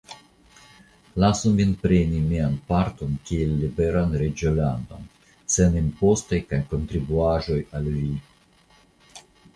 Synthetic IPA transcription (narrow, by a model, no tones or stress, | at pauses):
lasuminpɾenimianpaɾto̞nkielːibeɾanɾed͡ʒolando̰n | se̞nenpo̞stajkajko̞nt̪ɾibuaʒo̞jalːi